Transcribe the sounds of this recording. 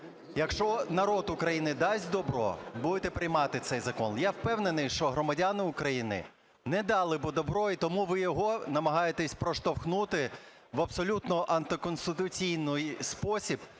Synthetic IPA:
jɐkʃt͡ʃɔnɐɾɔd̪ukɾɐjinɪd̪ɑsʲtʲd̪ɔbɾɔ̰bud̪et̪ɛpɾɪjmɑt̪ɪt̪sɛjzɐkɔnjawpɛwnenɪjʃt͡ʃɔɦɾɔmɐdʲanɪʊkɾɐjinɪ̰ | nɛd̪ɑlˠɪbɔd̪ɔbɾɔit̪ɔmuʋɪjɔɦɔnɐmɐɦɑjet̪ɛsʲpɾɔʃt̪ɔwxnut̪ɪ | ʋɐbsɔlʲut̪nɔʔɐnt̪ɪkɔnst̪ɪt̪ʊt͡sʲijnʊjspɔsʲib̥

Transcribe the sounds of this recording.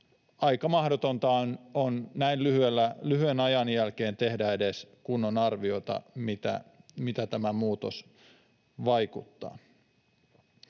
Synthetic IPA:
ɑjkɑmɑhdot̪ont̪ɑnonnæillyhyelːælyhyenɑjɑnjælkeːnt̪e̞hdæedeskunːonɑrʋio̞it̪ɑ̰mit̪æ̰mit̪æt̪æmæmuːt̪os | ʋɑjkut̪ːɑ̰ː

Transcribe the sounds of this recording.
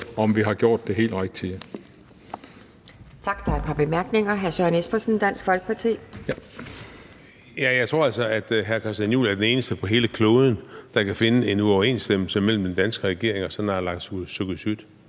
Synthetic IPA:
ɒmʋiɦɑ̈ɡ̥jo̝ɐ̰d̥ːe̝ɦe̝̰ːldʁaɡ̥̚t͡sʰi | t͡sʰɑ̈ɡ̥d̥ɑ̈ed̥̚pʰɑ̈b̥e̝mæɐɡ̥ne̝ŋɐɦæɐsønesb̥ɐsnd̥æn̰sɡ̥fɒ̽lɡ̥ə̥pʰɑ̈t͡sʰḭː | jæjɑ̈ɪt͡sʰʁo̝ɐ̰æl̰sɒ̽æd̥ɦæɐkʰɑsd̥ænjṵːlæɐd̥ene̝ːnəsd̥əpʰɒ̽ɦe̝ːləkʰlɔːðˠn̩d̥ɑ̈kæfe̝nəe̝nuɒʊɐe̝̰ːnsd̥em̰l̩səmel̰m̩d̥end̥ænsɡ̥əʁɛɡ̥e̝ɐe̝ŋɒ̽sɒ̽nɑ̈lɑ̈ŋ̰̥susøɡ̥ðsyd̥

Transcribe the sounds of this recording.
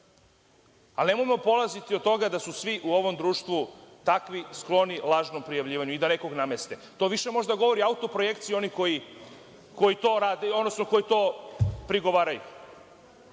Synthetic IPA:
alne̞mojemo̞po̞lˠazit̪iod̪̚t̪ːo̞ɡad̪asusʋiʔuo̞ʋo̞md̪ɾuːʃt̪ʋut̪akʋisklˠo̞nilˠaːʒno̞mpɾijaʋʎiːʋaɲuid̪ane̞ko̞ɡnamest̪e̞t̪o̞ːʋiʃe̞mo̞ʒd̪aɡo̞ʋo̞ɾiaut̪o̞pɾo̞je̞kt̪sio̞niko̞ji | ko̞jit̪oːɾaːd̪eod̪nosnoko̞jit̪o̞ːpɾiɡo̞ʋaːɾajṵ

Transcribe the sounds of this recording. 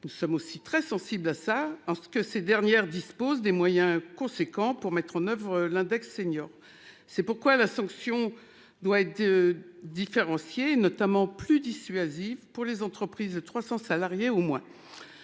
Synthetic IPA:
nusɔmosit̪χɛsɑ̃siblasaɑʁsə̥kəsed̪ɛʁnjɛʁd̪ispozd̪emwajɛ̃kɔ̃sekɑ̃puʁmɛt̪χɑ̃nœvʁəlɛ̃d̪ɛksːeɲɔːʁ | sɛpuʁkwalasɑ̃ksjɔ̃ | d̪waɛt̪ | d̪ifeʁɑ̃sjeːnɔt̪amɑ̃plyd̪isɥazivpuʁlezɑ̃t̪χəpχizd̪ət̪χwasɑ̃salaʁjeomwɛ̃

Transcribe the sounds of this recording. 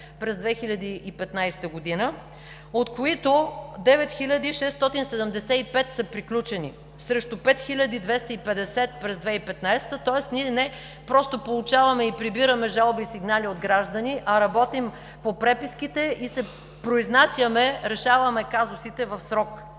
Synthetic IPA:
pɾɛzd̪vɛxilʲɐd̪iipɛt̪najst̪əɡod̪inə | ot̪koit̪od̪ɛvɛt̪xilʲɐd̪iʃɛst̪ɔt̪insɛd̪ɛmd̪ɛsɛipɛt̪sɐpɾiklʲut͡ʃɛnḭ | sɾɛʃt̪opɛt̪xilʲɐd̪id̪vɛst̪əipɛd̪ɛsɛt̪̚pɾɛzd̪vɛipɛt̪najsɛ̥t̪ət̪ɔɛsniɛnɛ | pɾɔst̪opolˠut͡ʃavɐmɛipɾibiɾəmɛʒalˠbisiɡnaliod̪ɡɾaʒd̪ɐniʔɐɾɐbɔt̪im | popɾɛpiskit̪ɛisɛ | pɾoiznasʲjəmɛɾɛʃavɐmɛkazʊsit̪ɛvɐfsɾɔk

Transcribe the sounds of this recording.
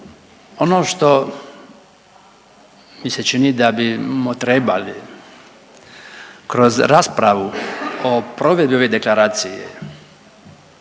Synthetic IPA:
o̞noːʃt̪o | miset͡ʃinid̪abimot̪ɾeba̰li | kɾo̞zɾaspɾaʋuopɾoʋe̞d̪bio̞ʋed̪eklaɾaːt̪sijḛ

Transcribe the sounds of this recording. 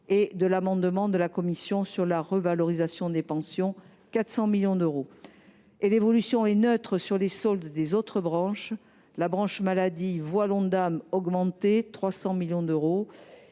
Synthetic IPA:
ed̪əlamɑ̃d̪mɑ̃d̪əlakɔmisjɔ̃syʁlaʁəvalɔʁizasjɔ̃d̪epɑ̃sjɔ̃ | kat̪χsɑ̃miljɔ̃d̪øʁo | elevɔlysjɔ̃ɛnøt̪χəsyʁlesɔld̪d̪ezot̪χəbʁɑ̃ʃ | labʁɑ̃ʃmalad̪ivwalɔ̃d̪amɔɡmɑ̃t̪et̪χwasɑ̃miljɔ̃d̪øʁo

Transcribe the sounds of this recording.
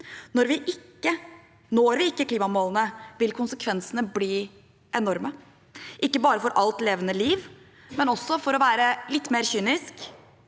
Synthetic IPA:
nɔɾʋɪʔɪkːə | noːɾʋɪɪkːəkʰliːmɑmoːlənəʋɪlkʰʊnsəkʰʋɛnsənəbliː | ʔɛnɔɾmə | ʔɪkːəbɑːɾəfɔɾʔɑlt̪leːʋənəliːʋ | mɛnɔsːɔfɔɾɔʋæːɾəlɪt̪ːmeːɾçyːnɪsk

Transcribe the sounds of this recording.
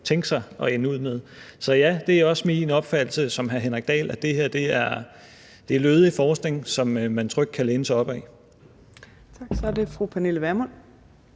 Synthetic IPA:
t͡sʰeŋɡ̥sɑ̈ɪʔɒ̽enəuð̰ˠmeðˠsɒ̽jæd̥e̝æɒ̽sminɒ̽b̥fæd̥l̩səsɒ̽mɦæɐɦenʁɛɡ̥̚d̥ɛ̰ːlæd̥e̝heɐ̰d̥e̝æɐ | d̥e̝æɐløːðˠifɒːsɡ̥ne̝ŋsɒ̽mmænt͡sʰʁœɡ̥̚kʰæleːnəsɑɒ̽b̥ɛ̰ː | t͡sʰɑɡ̥sɒæɐde̝fʁupʰæneləʋæɐmɔn

